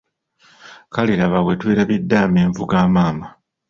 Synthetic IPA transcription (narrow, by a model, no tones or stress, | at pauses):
kaliɾaβawe̞tweːɾaβidːaːmeːɱvuɡaːmaːma